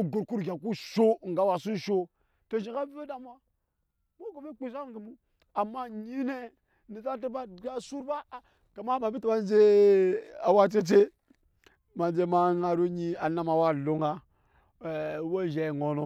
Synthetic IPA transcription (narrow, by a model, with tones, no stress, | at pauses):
ɡu˨ɾku˦ɾɡʲa˨ku˦ʃo˦ŋ˨ɡa˦wa˨su˦ʃo˦ | to˨ʃi˨ka˦ve˦da˦m˦a˦ | mo˦ɡo˨be˦k͡pi˦sa˦ɡi˨mu˦ | a˨mːa˦ɲi˦ne˦ | ni˨ta˦ti˦ba˦˨ɡa˦su˦ɾba˦˨ | ka˨ma˦ma˨bi˦ti˦ba˦nd͡ʒe˦ | a˨wa˦t͡ʃe˦t͡ʃe˦ | ma˨nd͡ʒe˦ma˦ŋa˨ɾo˦ɲi˦a˨na˦ma˨wa˦lo˦ŋa˦˨ | wo˦ʒe˨ŋo˨no˦